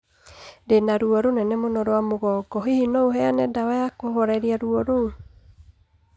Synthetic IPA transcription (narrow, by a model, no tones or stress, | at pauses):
denaɾuɔɾonɛnɛmonɔɾoamoɣɔɡɔɦihinɔoɦɛanɛdawajakoɦɔɾɛɾiaɾuɔɾou